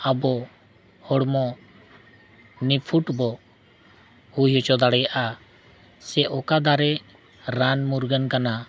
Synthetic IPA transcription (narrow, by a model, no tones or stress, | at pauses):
abɔ | hɔɽmɔ | nipʰuʈbɔ | hujɔt͡ʃɔd̪aɽɛjaʔa | sɛʔɔkad̪aɾɛ | ɾanmuɾɡənkana